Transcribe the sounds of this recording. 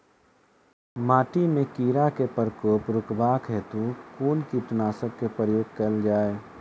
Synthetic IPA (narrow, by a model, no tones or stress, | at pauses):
maːʈimẽkiːɾakepəɾkoːpɾʊkbaːkɦɛt̪ukuːnkiʈənaːsəkkepɾəjoːɡ̚kəld͡ʒaːe